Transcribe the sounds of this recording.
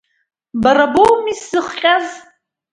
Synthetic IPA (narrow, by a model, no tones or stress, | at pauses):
bɐrɐbowmiszɨχqʲʼaz